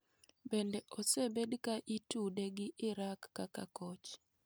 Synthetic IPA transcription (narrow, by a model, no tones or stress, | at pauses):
bendɛʔosebedkaʔitudeɡɪʔɪɾakːakakɔt͡ʃ